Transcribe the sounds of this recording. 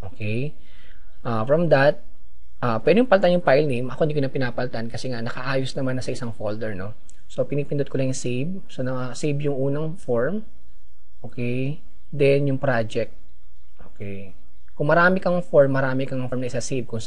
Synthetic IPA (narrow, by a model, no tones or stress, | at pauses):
ʔoːkɛj | ʔaːfɹɐmd̪ɐt̪̚ | ʔaːpɛɾjʊ̃ŋpɐlt̪anjʊŋpajlnimʔɐkoʔɪd̪ikʊnɐpɪnaːpɐlt̪ankɐsɛŋanɐkɐʔaːjosnɐmanːɐsɐɪsaŋfold̪ɛɹno̞ | so̞pɪniːpɪnd̪ʊd̪̚kolɐŋjʊŋsejb̚ | sɐnɐɐsijbjʊŋʔuːnɐŋfoɹm | ʔoːkɛj | d̪ɛnjʊŋpɾad͡ʒɛk̚t̪̚ | ʔoːkɛj | kʊŋmɐɾaːmɪkɐŋɐŋfoɹmːɐɾaːmɪkɐŋɐŋmnɐʔɪsɐsejb̚kʊŋs